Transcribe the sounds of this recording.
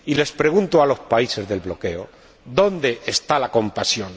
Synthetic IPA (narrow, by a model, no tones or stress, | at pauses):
ile̞spɾe̞ɣ̞unt̪oalo̞spaise̞zðe̞lβlo̞ke̞o | d̪o̞nd̪e̞ʔːst̪alako̞mpasjo̞n